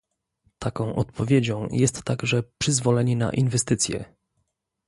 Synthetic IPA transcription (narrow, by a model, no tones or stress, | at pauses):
t̪ʰakɔ̃w̃ʔɔ̰t̪pʰɔvʲjed͡ʑɔ̃w̃jɛst̪ːaɡʐɛpʂɘzvɔlɛɲɛna̰ʔinvɛst̪ɘt̪sʲjɛ̰